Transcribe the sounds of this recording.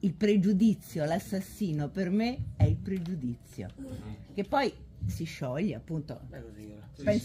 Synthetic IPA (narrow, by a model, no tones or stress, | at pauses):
ilpɾed͡ʒud̪it̪sːjolasːasːiːnopermeɛilpɾed͡ʒud̪it̪sːjo̰k̟epːɔj | siʃːɔʎːeapːunt̪o̰ | pɛns